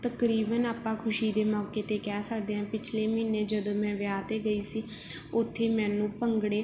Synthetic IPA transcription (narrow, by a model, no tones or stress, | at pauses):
t̪əkɾiːbənaːpãːkʰʊʃiːd̪eːmɔːkeːt̪eːkɛːsəkd̪eːɦɛ̃ːpɪt͡ʃʰleːmɪnːeːd͡ʒəd̪õːmɛ̃ːʋjaːt̪eːɡəiːsiː | ʊt̪ʰːeːmɛ̃ːnũːpəŋɡɽeː